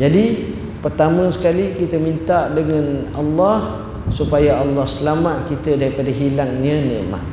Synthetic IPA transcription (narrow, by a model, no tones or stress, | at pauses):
d͡ʒadi | pərt̪amə̃sə̥kalikit̪əmĩnt̪aʔdəŋãna̰lːɑh | supajaalːɑhsəlamat̪̚kit̪adaɾipadaɦilaŋɲə̃nɛ̃ʔma̰t̪̚